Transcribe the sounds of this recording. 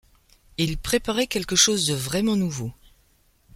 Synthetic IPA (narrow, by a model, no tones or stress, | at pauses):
ilpχepaʁɛkʲɛlkəʃozd̪əvʁɛmɑ̃nuvo